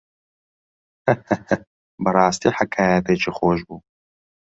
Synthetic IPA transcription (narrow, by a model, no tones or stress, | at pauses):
h | bɨrɑːst̪iːħakʰaːjɐt̪et͡ʃʰiːxoːʃbuː